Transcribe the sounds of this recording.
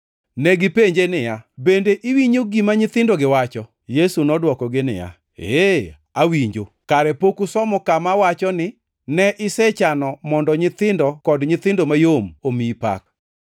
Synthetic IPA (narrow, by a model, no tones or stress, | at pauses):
nɛɡɪpeɲd͡ʒenɪjabendeʔiwiɲoɡimaɲɪt̪ɪndoɡɪwat͡ʃɔ | jesunɔdwɔkɔɡɪnɪ̰ja̰ | e | awiɲd͡ʒo | kaɾɛpokusɔmɔkamawat͡ʃɔnɪ | nɛʔɪsɛt͡ʃanɔmɔndɔɲɪt̪ɪndɔkɔdɲɪt̪ɪndomajomomipa̰k̚